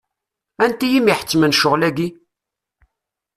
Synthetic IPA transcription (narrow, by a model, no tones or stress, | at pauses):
ænt̪ijimiħə̥t͡sːmənʃʊʁlæɡi